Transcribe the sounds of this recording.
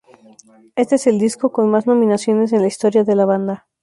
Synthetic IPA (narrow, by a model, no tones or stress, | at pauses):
e̞st̪eese̞ld̪isko̞ko̞nmazno̞mĩnasjo̞ne̞s̬e̞nlaist̪o̞ɾjaðe̞laβ̞and̪a